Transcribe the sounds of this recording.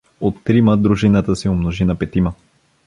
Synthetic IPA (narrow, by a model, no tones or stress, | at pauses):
ot̪ːɾiməd̪ɾuʒinət̪əsiomnoʒinɐpɛt̪imə